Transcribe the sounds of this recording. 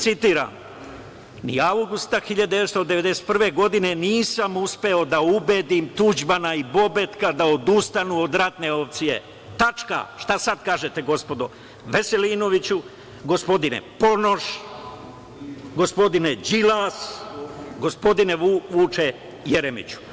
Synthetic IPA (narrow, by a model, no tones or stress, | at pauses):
t̪sit̪iːɾa̰ːm | nḭawɡust̪axiʎad̪d̪eet̪st̪od̪eʋe̞d̪e̞set̪̚prʋe̞ɡo̞d̪ineniːsamuspe̞o̞d̪aubeːd̪imt̪ud͡ʒbanaibo̞bet̪kad̪aod̪ust̪anuːo̞d̪ɾat̪neo̞p̚t̪sije̞̰ | t̪at͡ʃka̰ʃt̪asad̪kaːʒe̞t̪e̞ɡo̞spo̞d̪o | ʋese̞liːno̞ʋit͡ɕu | ɡo̞spo̞d̪inḛpo̞noʃ | ɡospo̞d̪ined͡ʒilas | ɡospo̞d̪ineʋuːt͡ʃe | jeɾemḭt͡ɕu̥